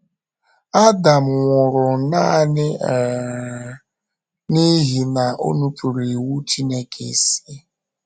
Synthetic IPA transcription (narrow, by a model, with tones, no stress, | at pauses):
a˦da˨m̩˨ŋʷʊ˨ɾʊ˨na˦˨nɪ˦˨ | ni˦ɦi˨na˨ʔo̰˦nu˦pu˨ɾi˨wu˦t͡ʃi˦ne˦kʰḛ˨si˦